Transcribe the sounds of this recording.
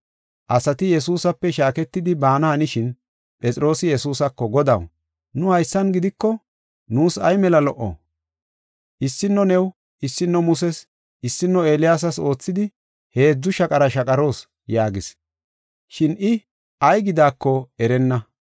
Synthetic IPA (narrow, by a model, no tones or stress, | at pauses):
ʔɐsɐt̪ɪjɛsuːsɐpːɛʃaːkɛt̪ːɪd̪ɪbaːnɐhɐnɪʃɪn | pʼɛt͡sʼɪɾo̞ːsɪjɛsuːsɐkːɔɡɔd̪ɐ̰w | nʊhɐjsːɐnɡɪd̪ɪkːɔ | nuːsɐjmɛlɐlɔʔɔ̰ | ʔɪsːɪnːɔnɛw | ʔɪsːɪnːɔmʊsɛs | ʔɪsːɪnːɔeːlɪjaːs̬ɐso̞ːt͡sːɪd̪ɪ | he̞ːd͡zːʊʃɐkʼɐɾɐʃɐkʼɐɾo̞ːs | jaːɡɪs | ʃɪnʔɪ | ɐjɡɪd̪aːkːɔɛɾɛnːɐ